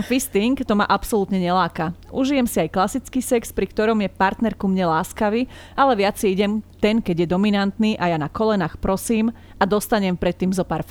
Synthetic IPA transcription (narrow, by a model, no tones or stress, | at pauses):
fist̪iŋkt̪ɔma̰ʔapsɔlut̪ɲɛɲɛlaːkaʔuʒijɛmsiajklasit͡skiːsɛkspɾikt̪ɔɾɔmjɛpaɾt̪nɛɾkumɲɛlaːskaʋiː | alɛʋɪat͡sɛiɟɛmt̪ɛnkɛɟjɛd̪ɔminant̪niːʔajanakɔlɛnaːxpɾɔsiːm | ad̪ɔst̪aɲɛmpɾɛt̪ːiːmzɔpaːɾ